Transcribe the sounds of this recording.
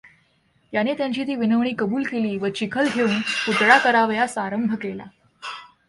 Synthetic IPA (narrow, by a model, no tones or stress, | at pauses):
janet̪jaɲt͡ɕiːt̪iːʋinəʋɳ̃iːkəbuːlkeliːʋət͡ɕikʰəlɡʱeuːnput̪ɽakəɾaʋjasaɾəmbʱəkela̰